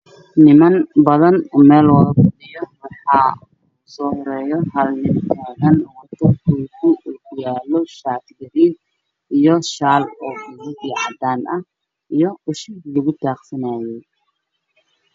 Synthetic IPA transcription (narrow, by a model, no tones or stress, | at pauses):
nɪmɐnbɐðɐnmɛːlwɐðɐbɐdɪjɔwɑħɑː | sɔːhɔɾɛːjɔhɐlnɪnt̪ʰaːɣɐnwɐt̪ʰɐrkʰukʰʊɡʊjaːlɔʃaːt̪ɡɐɾiːn | ijɔʃaːlɔːbɪnɪdiːʕɑd̪aːnʔɐh | ijɞʊʃilɐɣʊt̪ʰaːqsɐnaːjɛj